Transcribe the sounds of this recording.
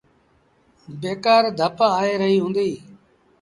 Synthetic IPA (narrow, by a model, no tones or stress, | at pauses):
beːkaːɾd̪ʱəpaaːeːɾəɦiːɦũːnd̪iː